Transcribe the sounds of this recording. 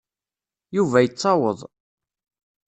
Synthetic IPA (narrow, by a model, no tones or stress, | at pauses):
juvæjət͡sːɑwəðˤ